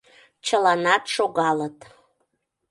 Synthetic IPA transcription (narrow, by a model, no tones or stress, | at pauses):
t͡ɕəlɑnɑt̪ʃoɣɑlət̪